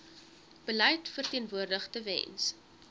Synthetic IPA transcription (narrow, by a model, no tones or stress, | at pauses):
b̥əlɛjtfərtiənvuərdəχtəvɛ̰ns